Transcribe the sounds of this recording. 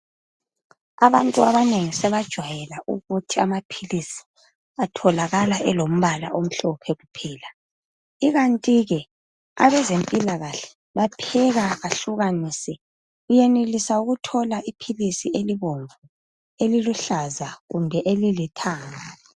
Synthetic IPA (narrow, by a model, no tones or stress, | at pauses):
aβantʼuaβaneŋisɛβad̥ʒ̥ʱwajɛlaʔuɣutʰiamapʰilisi̥ | atʰɔlaɣalaʔɛlom̩βala̰ʔom̩ɬɔpʰɛɣupʰɛːla | iɣantʼiɣɛ | a̰βɛzempʼilaɣaɬɛ̥ | βapʰɛɣaɣaɬuɣanisɛ | ɣujɛnelisauɣutʰɔlaʔipʰilisieliβoɱvu | eliluɬazaɣumbʱɛʔelilitʰaːŋa